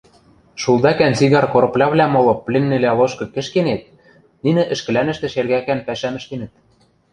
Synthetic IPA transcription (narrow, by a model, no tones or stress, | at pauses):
ʃulˠd̪ɑkænt͡siɣɑrkoɾɤ̆plʲɑβlʲæmolɤ̆plʲĕnːeleloʃkɤ̆kɘ̆ʃkenet̪̚ | ninɘ̆ʔɘ̆ʃkɘ̆lænɘ̆ʃt̪ĕʃerɣækæmpæʃæmɘ̆ʃk̪enɘ̆t̪̚